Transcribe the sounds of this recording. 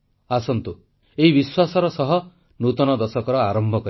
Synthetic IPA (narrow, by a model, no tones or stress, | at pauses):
asɔnt̪u | eɦibiswasɔɾɔsɔɦɔ | nut̪ɔnɔd̪ɔsɔkɔɾɔaɾɔmbʱɔkɔ